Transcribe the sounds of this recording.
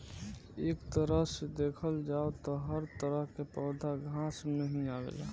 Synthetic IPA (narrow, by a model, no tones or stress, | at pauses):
eːkt̪əɾəɦsed̪eːkʰəld͡ʒaːot̪ɔɦəɾt̪əɾəɦkepəːd̪ʱaɡʱãːsnəɦĩaːɡḛla